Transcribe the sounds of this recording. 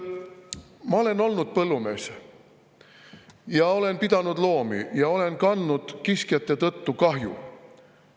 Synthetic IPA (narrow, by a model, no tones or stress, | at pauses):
mɑo̞le̞no̞lnud̪̥̚pɤlːume̞ːs | jɑo̞le̞npid̪̥ɑnud̪lo̞ːmḭjɑo̞le̞nkɑnːud̪̥kiskjɑt̪ˑːe̞t̪ɤt̪ːukɑɦjṵ